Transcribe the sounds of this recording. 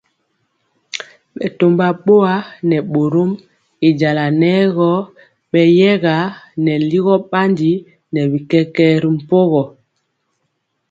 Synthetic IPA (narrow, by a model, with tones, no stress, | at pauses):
ɓɛ˨to˨mba˨ɓo˦a˨˦nɛ˨ɓo˨ɾo˦m | i˨d͡ʒa˨la˨nɛ˦ɣɔ˦ | ɓɛ˨jɛ˦ɣa˨˦nɛ˨li˦ɣɔ˦ɓa˦ndi˦ | nɛ˨βi˨kɛ˦kɛ˦ɾi˨˦m̩˨po˦ɣɔ˨